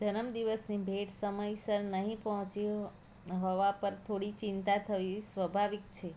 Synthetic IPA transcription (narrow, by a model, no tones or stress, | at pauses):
d͡ʒənəmd̪iʋəsnibʱeʈsəməjsəɾnəɦĩpəɦɔ̃t͡ʃi | ɦɔʋapəɾt̪ʰoɽit͡ʃɪnt̪at̪ʰəʋisʋəbʱaʋik̚t͡ʃʰe